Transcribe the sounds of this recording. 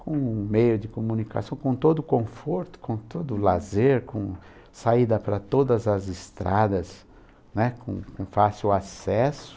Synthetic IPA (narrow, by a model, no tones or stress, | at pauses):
kõmejʊd̪ɪkomũnika̰sɐ̃w̃kõt̪od̪ʊkõfoɾt̪ʊ̥kõt̪od̪ʊlazeɾkõ | said̪ɐpɾɐt̪od̪ɐzɐzɪst̪ɾad̪ɐs | nɛkõ̰kõfasiwasɛsʊ̥